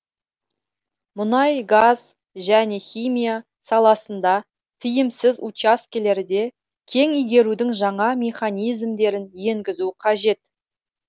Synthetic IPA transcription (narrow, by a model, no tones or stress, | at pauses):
mʊnɑjɡaz | ʒæne̞χʲijmʲija | sɑlˠɑsənd̪ɑ | t̪ʰɪjɪmsɪzut͡ʃaskʲele̞ɾd̪e̞ | kʲʰe̞ŋijɡʲe̞ɾud̪ɪŋʒɑɴɑmʲe̞χanijzmd̪e̞ɾɪnje̞ŋɡʲɪzuqʰɑʒe̞t̪̚